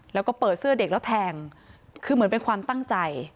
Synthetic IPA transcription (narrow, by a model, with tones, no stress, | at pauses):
lɛ˦˥wkɔː˥˩pɤː˨˩t̪̚sɯ˥˩ɐde˨˩k̚lɛ˦˥t̪ʰɛː˧ŋ | kʰɯː˧mɯ˩˦npe˧nkʰwaː˧mt̪a˥˩ŋt͡ɕa˧j